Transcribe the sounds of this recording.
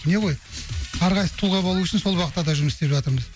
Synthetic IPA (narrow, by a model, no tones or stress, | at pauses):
ne̞ʁo̞jɑɾʁɑjsə̥t̪ʰuʁɑbolˠuʏʃɪnso̞lˠwɑqʰət̪ːɑd̪ɑʒʊməsst̪e̞pʒɑt̪əɾməz